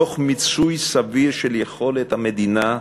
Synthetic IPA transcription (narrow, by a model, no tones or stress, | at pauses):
oχmit͡sujsaviʁʃeljeχo̞let̪hamed̪ina